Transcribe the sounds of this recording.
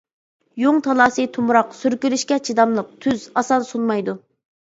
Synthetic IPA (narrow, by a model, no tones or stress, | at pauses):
joŋt̪ʰɑlˠɑːsɨt̪ʰumɾɑqsyɾkʲylyʃkʲɛt͡ʃʰid̪ɑmlˠəq̚t̪ʰyzɑsɑnsunmɑjd̪u